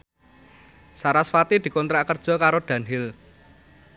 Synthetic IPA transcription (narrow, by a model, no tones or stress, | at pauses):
saɾasfat̪id̪̥i̤kɔnt̪ɾakərd̥ʒ̥ɔ̤kaɾoɖ̪̥ä̤nɦɪl